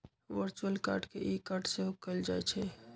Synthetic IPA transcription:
ʋəɾt͡ʃuəlka̰ːɾɖkeʔikaɾɖseɦokəld͡ʒaɛt͡ʃʰɛ

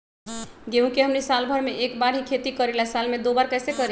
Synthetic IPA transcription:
ɡeɦũkeɦəmnisalbʱəɾmeʔekbaɾɦikʰet̪ikəɾilɛsalmed̪obaɾkɛsekəɾi

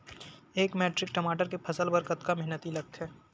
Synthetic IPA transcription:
eːkmeːʈɾɪk̚ʈɐmaːʈəɾkepʰɐsəlbəɾkət̪kamɛɦnət̪ilɐɡ̚t̪ɦɛː

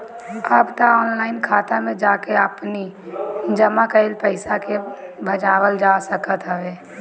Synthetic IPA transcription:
əbt̪aɔːnlaːɪnkʰaːt̪amẽd͡ʒaːkeəpni | d͡ʒəmakəɪlpəɪsakebʱəd͡ʒaːwəld͡ʒaːsəkət̪ɦəʋeː

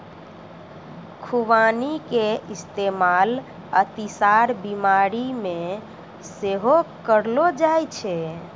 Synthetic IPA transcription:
kʰuʋanikeist̪emal | ət̪isaɾbimaɾime | seɦokəɾlod͡ʒajt͡ʃʰɛ

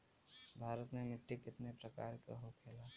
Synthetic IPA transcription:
bʱaːɾət̪memɪʈːikɪt̪nepɾəka̰ːɾkḛɦokʰeːla

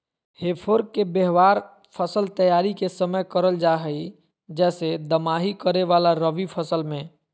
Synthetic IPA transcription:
hepʰoɾkkːebeɦʋaːɾ | pʰəsəlt̪əjaɾikesəməjkəɾəld͡ʒaɦəi | d͡ʒɛːsed̪əmaɦikəɾeʋalaɾəʋipʰəsəlmẽ

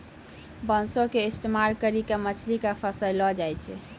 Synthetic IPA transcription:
bənsokeisʈ̪emaɾkəɾikamət͡ʃʰlikapʰəsəllɔd͡ʒajt͡ʃʰɛ̰

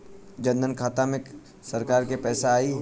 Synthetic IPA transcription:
d͡ʒɐ̃nd̪ʱənkʰaːt̪amẽ | sɐɾkaːɾkepɛːsaaːi

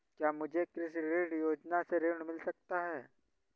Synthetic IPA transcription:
kjamud͡ʑʱekɾɪsɾeɖjod͡ʒnaseɾeɳmɪlsəkt̪aɦɛ

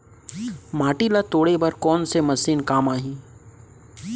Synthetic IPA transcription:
maːʈilat̪oːɽebɐɾkɔːnsemɐsiːnkaːmaːɦĩː

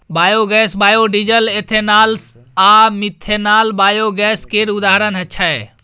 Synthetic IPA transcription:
bajoɡɛsbajoɖid͡ʒəlet̪ʰenals | amit̪ʰːenalbajoɡɛskeɾud̪aɦɾənɦətːt͡ʃʰae

